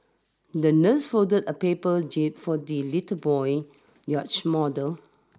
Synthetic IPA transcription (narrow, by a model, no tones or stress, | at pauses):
dənəsfodədəpepəd͡ʒip̚fɔdilitəbɔj | jɔt͡ʃmɔdəl